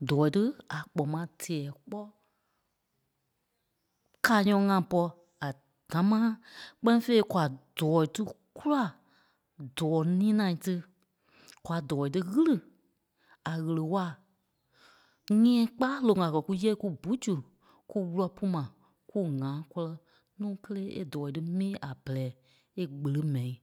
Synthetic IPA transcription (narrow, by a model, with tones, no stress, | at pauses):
dɔː˨i˨tɨ˦a˨k͡pɔ˨mã˧˦tʰɛː˨k͡pɔ˦ | kaː˨ɲɔ̃˧˨˦ŋã˧˨pɔ˧ | a˨ | d̥ã˨˦mãː˦k͡pɛ˦nĩ˦fe˧i˦kwa˨d̥ɔː˨i˨tɨ˦ | ku˦la˦˨ | dɔː˨˦nĩː˦nã˨tɨ˧ | kwa˨dɔː˨i˨tɨ˧ɣɨ˦lɨ˨ | a˨ɣə˨lə˨wa˦˨ | ŋɛ̃˦˨˦k͡paː˦lo˨ŋã˨kɜ˨ku˦jɛ˦ku˦bu˨˦d͡ʒu˨ | ku˦wu˧lɔ˧pu˦mã˨ | ku˦ŋãː˨˦kɔ˧lɔ˧ | nũː˦kə˦leː˦ʔḛ˦dɔː˨i˨tɨ˦mĩː˦ʔa˨bɛ˨lɛː˨˦ | e˦ɡ͡bə˨lə˦mɛ̃˨ĩ˨